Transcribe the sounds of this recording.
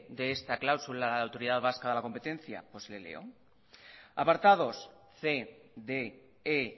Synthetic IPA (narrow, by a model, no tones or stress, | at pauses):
d̪eest̪aklawsulaðaawt̪o̞ɾið̞aðβ̞askaðelako̞mpe̞t̪e̞n̟θja̰po̞slelḛo̰ | apaɾt̪að̞o̞s | θeðe | e